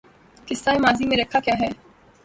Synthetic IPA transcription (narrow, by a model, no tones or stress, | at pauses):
kɪst̪aːemaːzimẽɾɐkʰakjaːɦɛː